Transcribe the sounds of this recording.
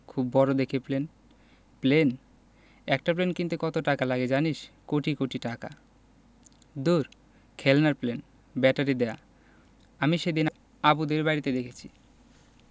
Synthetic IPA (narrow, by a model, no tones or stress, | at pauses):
kʰubːɔɾod̪ekʰeplen | plen | ɛk̚ʈaplenkint̪ukɔt̪oʈakalaɡed͡ʑaniʃkoʈikoʈiʈaka̰ | d̪uɾ | kʰelnaɾplen | bɛʈaɾid̪ɛa | amiʃed̪in | abud̪eɾbajɾit̪ed̪ekʰet͡ɕʰi